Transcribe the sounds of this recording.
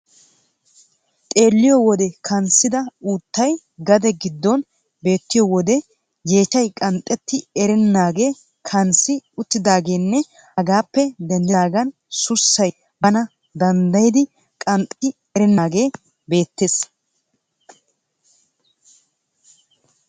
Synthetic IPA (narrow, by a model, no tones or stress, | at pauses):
t̪ʼe̞ːlːɪjɔwɔd̪ɛkʰɐnsːɪd̪ɐuːt̪ːɐj | ɡɐd̪ɛɡɪd̪ːɔn | be̞ːt̪ːɪjɔwɔd̪ɛ | je̞ːt͡ʃɐjkʼɐnt̪ʼːɛt̪ːɪɛɾɛnːaːɡe̞ː | kʰɐnsɪʊt̪ːɪd̪aːɡe̞ːnːɛ | ɐɡaːpːɛd̪ɛnd̪ɛaːɡɐn | sʊsːɐj | bɐnɐ | d̪ɐnd̪ɐjd̪ɪ | kʼɐnt̪ʼːɪ | ɛɾɛnːaːɡe̞ː | be̞ːt̪ːeːs